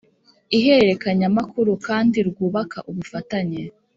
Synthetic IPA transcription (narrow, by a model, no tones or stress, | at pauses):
iɦeɾe̞kaɲamakuɾukaːndiɾɡuːβaka̰ʔuβufataɲe